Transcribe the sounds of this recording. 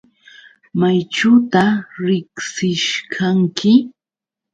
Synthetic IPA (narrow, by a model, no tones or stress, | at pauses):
majʈ͡ʂʊt̪aɾɪksɪʃkʰaŋkɪ